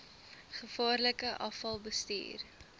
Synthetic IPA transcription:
χəfɑːrləkəʔɐfɐlˠbəstḭːr

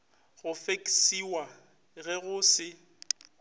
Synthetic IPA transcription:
ɣʊfekʼi̥siwa | ɣɛɣʊsɪ

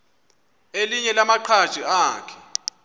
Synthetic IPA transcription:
eliɲɛlamaǃʰḁʒ̥ʱiaːkʰɛ̥

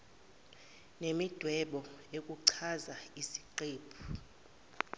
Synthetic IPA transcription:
nemid̥ʱwɛɓɔek̬ʼuǀʰazaisi̥ǃeːpʰu̥

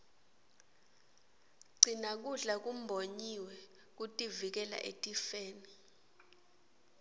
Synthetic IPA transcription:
ɡ͡ǀʱinak̬uɮak̬um̩bʱoɲiwɛ | k̬utʼivik̬ɛla̰ʔḛtʼifeːni

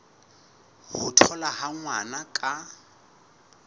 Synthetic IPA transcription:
hʊtʰɔlahaŋwanakʼa

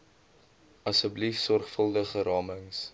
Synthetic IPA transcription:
ɐsəblifsɔrχfəlˠdəχəɾɑːməŋs

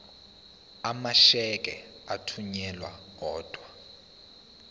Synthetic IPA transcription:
amaʃɛk̬ʼɛ̰ | atʰuɲɛlwa̰kɔːd̥ʱwa

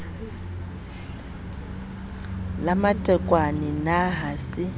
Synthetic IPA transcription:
lamatʼɛkʼwaninaɦasɪ

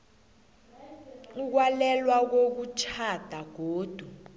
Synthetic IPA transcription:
uk̬walɛlwak̬ok̬ut͡ʃʰad̥ʱaɡ̥ʱoːd̥ʱu

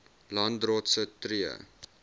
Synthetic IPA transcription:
lɐndroːtsətriə̰

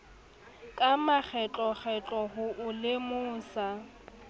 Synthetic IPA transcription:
kʼamak͡xʰɛt͡ɬʼɔχʰɛt͡ɬʼɔɦʊʔʊlɪmʊːsa

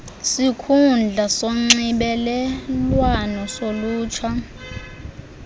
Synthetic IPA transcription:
sikʰund͡ɮʱasoŋ͡ǀiɓɛlɛlwanɔsoluːt͡ʃʰwa

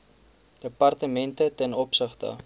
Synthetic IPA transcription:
d̥əpɐrtəmɛntətɛnɔpsəχtə̰

